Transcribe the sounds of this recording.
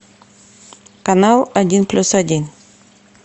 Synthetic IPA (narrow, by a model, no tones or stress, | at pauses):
kɐnalˠɐdʲinplʲusɐdʲin